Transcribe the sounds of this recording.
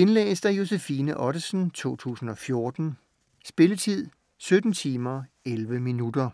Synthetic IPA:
e̝nlɛ̰ːsd̥æjo̝sefiːnəʔɒ̽ɾ̥əsn̩t͡sʰo̝̰ːt͡sʰṵːsn̩ɒ̽fjo̝ɐd̥n̩ | sb̥e̝lət͡sʰið̰ˠ | sød̥n̩t͡sʰiːmɐ | elʋəminud̥ɐ

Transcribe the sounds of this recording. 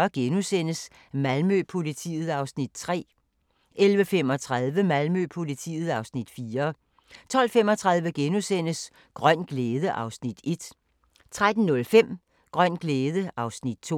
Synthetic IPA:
ɐɡ̥enusen̰əs | mælmøpʰo̝lit͡sʰḭːð̩ˠɑ̈ʊsnid̥̚t͡sʰʁɛ̰ː | ʔelʋəfem̰ɒ̽t͡sʰʁaðˠʋəmælmøpʰo̝lit͡sʰḭːð̩ˠɑ̈ʊsnid̥fiːɐ | t͡sʰɒ̽l̰fem̰ɒ̽t͡sʰʁɑ̈ð̞ˠʋəɡ̥enusen̰əs | ɡ̥ʁɶn̰ɡ̥leːðˠəʔɑ̈ʊsnid̥e̝d̥ | t͡sʰʁad̥n̩nɔ̽lfem̰ | ɡ̥ʁɶn̰ɡ̥leːð̞ˠəʔɑ̈ʊsnid̥̚t͡sʰo

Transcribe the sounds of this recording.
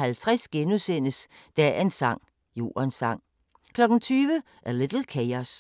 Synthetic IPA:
hælt͡sʰʁasɡ̥enusen̰əs | d̥æɐe̝nsɑ̈ŋ̰ | jo̝̰ːɐnsɑ̈ŋ̰ | kʰlɒ̽ɡ̥n̩t͡sʰyːʋə | ʔæɐlɪd̥l̩ˠkʰeɪɐs

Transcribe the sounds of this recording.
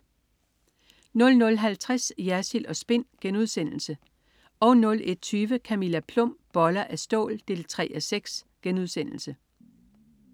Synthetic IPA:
nɔ̽lnɔ̽lɦælt͡sʰʁɛsjæɐsilɒ̽sb̥e̝n̰ɡ̥enuðˠsen̰l̩sə | ɒ̽ʊnɔ̽le̝d̥̚t͡sʰyːʋəkʰæmilæpʰlɔ̽m̰b̥ɒ̽lɐʔæsd̥ɔ̰̽ːld̥e̝̰ːlt͡sʰʁɛ̰ːæseɡ̥sɡ̥enuð̞ˠsen̰l̩sə

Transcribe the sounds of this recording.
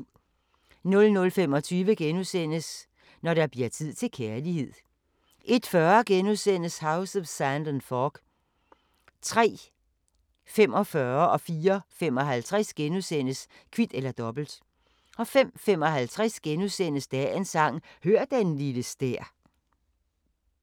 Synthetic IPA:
nɔ̽lnɔ̽lfem̰ɒ̽t͡sʰyːʋəɡ̥enusen̰əs | nɒɾ̥ɑb̥liɐt͡sʰið̞̰ˠt͡sʰe̝lkʰæɐlihe̝ð̰ˠ | ʔe̝d̥fɶɐɡ̥enuðˠsen̰əshɑ̈ʊsðsænd̥ənfɒːɡ̥ | t͡sʰʁɛ̰ː | fem̰ɒ̽fɶɐʔɒ̽fiːɐfemɒ̽ɦælt͡sʰʁɛsɡ̥enusen̰əs | kʰʋid̥elɐd̥ɒ̽b̥l̩d̥ | ʔɒ̽fem̰fem̰ɒ̽ɦælt͡sʰʁɛsɡ̥enusen̰əsd̥ɛensɑ̈ŋ̰høɐ̰d̥enliləsd̥eɐ̰

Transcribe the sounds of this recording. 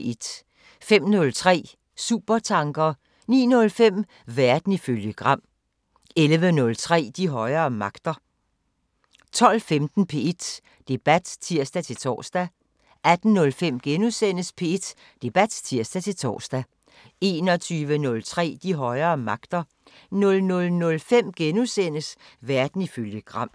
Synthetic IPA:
e̝d̥ | fem̰nɔ̽lt͡sʰʁɛ̰ː | sṵːb̥ɐt͡sʰɑ̈ŋɡ̥ɐ | nḭːnɔ̽lfem̰ | ʋæɐd̥n̩iføljəɡ̥ʁɑ̈m̰ | elʋənɔ̽lt͡sʰʁɛ̰ːd̥iɦɒ̽ɪɐːmɑ̈ɡ̥d̥ɐ | t͡sʰɒ̽l̰femd̥n̩pʰe̝e̝d̥ | d̥e̝b̥æd̥t͡sʰiɐ̰sd̥æt͡sʰe̝lt͡sʰɒ̰ːsd̥æ | ʔæd̥n̩nɔ̽lfem̰ɡ̥enusen̰əspʰe̝e̝d̥ | d̥e̝b̥æd̥t͡sʰiɐ̰sd̥æt͡sʰe̝lt͡sʰɒ̰ːsd̥æ | e̝ːnɒ̽t͡sʰyːʋənɔ̽lt͡sʰʁɛ̰ːd̥iɦɒ̽ɪɐːmɑ̈ɡ̥d̥ɐ | nɔ̽lnɔ̽lnɔ̽lfem̰ɡ̥enusen̰əsʋæɐd̥n̩iføljəɡ̥ʁɑ̈m̰

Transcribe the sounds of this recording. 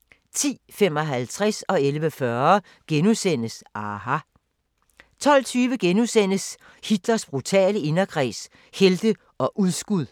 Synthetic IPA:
t͡sʰḭːfemɒ̽ɦælt͡sʰʁasɒ̽elʋəfɶɐ | ɡ̥enusen̰əsʔɑɦɑ | t͡sʰɒ̽l̰t͡sʰyːʋəɡ̥enusen̰əs | hid̥lɐsb̥ʁut͡sʰɛ̰ːləe̝nɐɡ̥ʰʁɛ̰ːs | held̥ə | ɒ̽ʔuð̞ˠsɡ̥uðˠ

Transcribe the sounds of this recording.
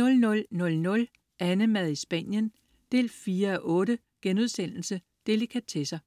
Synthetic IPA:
ɔ̽lnɔ̽lnɔ̽lnɔ̽l | ʔænəmæðˠisb̥æ̰n̰jən | d̥e̝̰ːlfiːɐɒʔɔ̽ːɾə | ɡ̥enuð̞ˠsen̰l̩sə | d̥e̝likʰæt͡sʰe̝sɐ

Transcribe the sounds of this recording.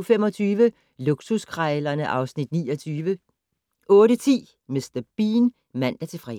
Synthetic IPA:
femɒ̽t͡sʰyːʋə | luɡ̥suskʰʁɑɪlɐnəʔɑ̈ʊsnid̥nḭːɒt͡sʰyːʋə | ʔɔ̽ːɾət͡sʰḭː | mesd̥ɐb̥ḭːn | mæn̰d̥æt͡sʰe̝fʁɛ̰

